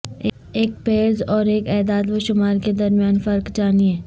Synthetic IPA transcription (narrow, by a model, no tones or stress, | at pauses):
eːk̚peːɾzɔːɾeːkɛːd̪aːt̪ʋoʃʊmaːɾked̪ɐɾmijaːnfɐɾkt͡ʃaːniɛ̃ː